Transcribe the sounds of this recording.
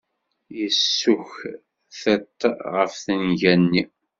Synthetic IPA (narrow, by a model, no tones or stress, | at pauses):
jəsːʊç | θæt̪ːʁəfθənʝænːi